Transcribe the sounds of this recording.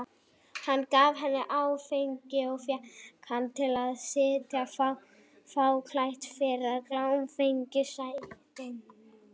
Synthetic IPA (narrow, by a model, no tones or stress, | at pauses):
hanːkaːvɦɛnːɪʔaːwfejɲcɪɔɣfjakʰant̪ʰɪlaðsɪːt̪jafaw | faːwkʰlajht̪fɪɾaðklawmfejɲcɪsajt̪ɪn